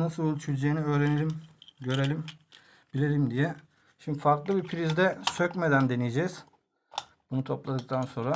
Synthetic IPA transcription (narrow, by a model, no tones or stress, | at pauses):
nasɯot͡ʃʰyɾd͡ʒejiniøːɾenelʲimɟø̞ɾelʲim | bilʲelʲimd̪ijɛ | ʃimd̪ifaɾklˠɯbipʰiɾizd̪ɛsøcme̞d̪ænd̪e̞nijed͡ʒɛz̥ | bunut̪ʰo̞plˠad̪ɯk̚t̪ʰanso̞nɾa